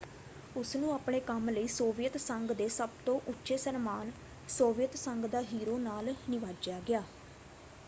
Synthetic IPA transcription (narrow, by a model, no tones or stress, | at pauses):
ʊsnũːaːpɳeːkəmləiːsoːʋijət̪səŋɡd̪eːsəbt̪õːʔʊtːʃeːsəɾmaːn | soːʋijət̪səŋɡd̪aːɦiːɾoːnaːlnɪʋaːd͡ʒaːɡɪjaː